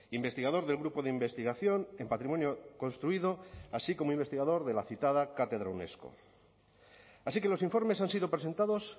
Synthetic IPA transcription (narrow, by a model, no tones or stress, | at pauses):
imbe̞st̪iɣað̞oɾðe̞lɣɾupoðeimbe̞st̪iɣaθjo̞nempat̪ɾimo̞njoko̞nst̪ɾuiðoasiko̞moimbest̪iɣaðoɾðe̞laθit̪aðakat̪eðɾaune̞̰sko̰ | asike̞lo̞siɱfo̞ɾme̞sansiðo̞pɾese̞nt̪aðo̞s